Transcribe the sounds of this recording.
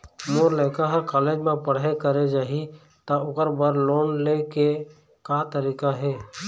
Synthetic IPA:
moːɾləɪkaɦəɾkaːleːd͡ʒmẽpəɽ̤ekəɾed͡ʒaːɦi | t̪aʊkəɾbəɾloːnleke | kat̪əɾiːkaɦɛː

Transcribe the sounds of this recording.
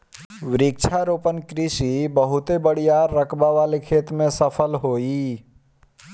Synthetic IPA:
wɪɾik̚t͡ʃʰaɾopənkɾisibəɦut̪ebəɽ̤ijaɾəkʰbaʋalekʰet̪mẽsəpʰəlɦoi

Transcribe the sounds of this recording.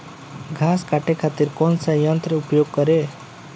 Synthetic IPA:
ɡʱaskaʈekʰat̪iɾkonsə̃jʌnt̪ɾeupjoɡ̚kʌɾe

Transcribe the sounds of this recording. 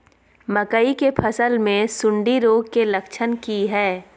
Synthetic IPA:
məkəikepʰɐsəlmẽsʊ̃ɳɖiɾoːɡkelɐkʃʰənkiɦɛː

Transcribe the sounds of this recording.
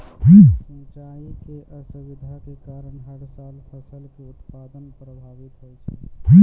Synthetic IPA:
ɦisə̃nt͡ʃaikeʔəsuʋid̪ʱakekaɾəɳɦəɾsalpʰəsəlkeut̪pad̪ənpɾəbʱaʋit̪ɦɔj̪t͡ʃʰɛ̥̰ɦĩ

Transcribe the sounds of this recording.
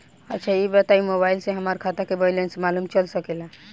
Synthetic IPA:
ətːʃʰaibət̪aimobailsẽɦəmaɾkʰat̪akebəjlensmalumt͡ʃəlsəkela

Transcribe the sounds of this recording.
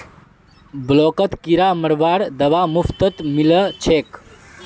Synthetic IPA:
bloːkət̪kiɾaməɽʋaːɾd̪əʋamuft̪ət̪milət͡ʃʰeːk

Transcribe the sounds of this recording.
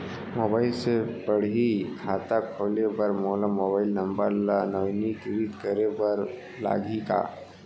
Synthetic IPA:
mobailsepəɽ̤ikʰat̪akʰolebəɾmolamobailnəmbəɾlanəʋnikɾiːt̪kəɾebəɾ | la̰ɡʱika̰

